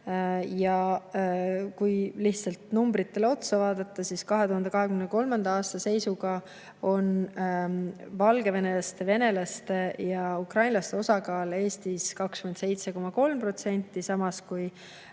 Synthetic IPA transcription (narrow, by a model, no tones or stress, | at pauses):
jɑ | kujliht̪sɑlt̪numbɾit̪ːe̞leo̞t̪sɑvɑːd̪̥ɑt̪ˑːɑsiskɑɦe̞t̪uɦɑnd̪e̞kɑɦe̞kymneko̞lmɑnd̪̥ɑɑːst̪ɑse̞jsuɡɑ | o̞n | vɑlɡe̞ve̞ne̞lɑst̪e̞ve̞ne̞lɑst̪ejɑukrɑjnlɑst̪e̞o̞sɑkɑːle̞ːst̪iskɑkskymed̪se̞jt̪se̞ko̞mɑko̞lmpro̞t̪se̞nʲt̪ˑːisɑmɑskuj